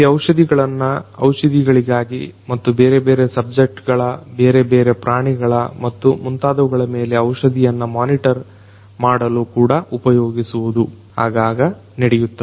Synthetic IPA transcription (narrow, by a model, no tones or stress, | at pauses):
iɐwʂɐd̪iɡɐɭɐnːɐɐ̰wʂɐd̪iɡɐɭiɡaːɡimɐt̪ːubeːɾebeːɾesɐb̚d͡ʒek̚ʈɡɐɭɐbe̞ːɾebeːɾe̞pɾaːɳiɡɐɭɐ̰mɐt̪ːumunt̪aːd̪ɐʋuɡɐɭɐme̞ːle̞ɐwʂɐd̪ijɐnːɐmaːniʈɐɾ | maːɽɐluːkuːɽɐʔupɐjoːɡisuʋud̪u | haːɡaːɡɐ | nɐɽɛjut̪ːɐe